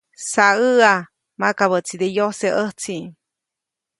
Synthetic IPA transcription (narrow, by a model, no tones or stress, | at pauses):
saəa | makaβət͡sid̪ejoseʔəht͡si